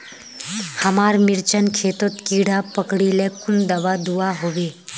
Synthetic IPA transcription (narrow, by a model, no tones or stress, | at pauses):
həmaːɾmɪɾt͡ʃənkʰeːt̪ot̪kiːɽapəkɽilekund̪əʋad̪uaɦoʋe